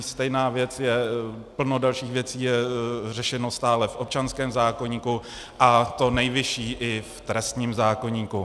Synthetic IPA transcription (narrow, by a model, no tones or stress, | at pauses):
st̪ɛjnaːvjɛt͡sjɛpl̩no̞dalʃiːxvjɛt͡siːjɛrɛʃɛno̞st̪aːlɛfʔop̚t͡ʃanskɛːmzaːko̞ɲiːku | ʔat̪o̞nɛjvɪʃiːʔɪft̪ɾɛst̪ɲiːmzaːko̞ɲiːku